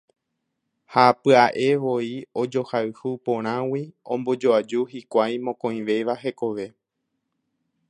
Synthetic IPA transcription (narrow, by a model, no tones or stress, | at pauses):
hapɨaʔe̞ʋo̞io̞d͡ʒo̞haɨhupõɾ̃ãwiõmbo̞d͡ʒoad͡ʒuhikʷajmõkõjĩʋe̞ʋaɦe̞ko̞ʋe̞